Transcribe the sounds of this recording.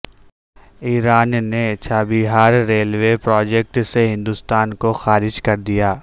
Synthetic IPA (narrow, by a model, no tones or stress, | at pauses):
iːɾaːnnet͡ʃʰaːbɪɦaːɾːeːlwepɾɔːd͡ʒɛk̚ʈseɦɪ̃nd̪ust̪aːnkoxaːɾɪd͡ʒkɐɾd̪ijaː